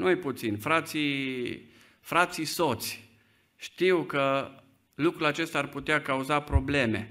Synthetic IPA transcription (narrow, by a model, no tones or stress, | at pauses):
nueput̪sinfɾat̪si | fɾat̪sisot̪sʲ | ʃt̪iwkə | lukɾulat͡ʃe̞st̪aːrput̪eakauzapɾo̞ble̞me̞̰